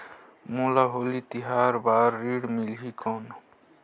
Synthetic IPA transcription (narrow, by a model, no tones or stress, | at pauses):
mulaɦolit̪iɦaɾbaɾːiɽmilɦikʰɔn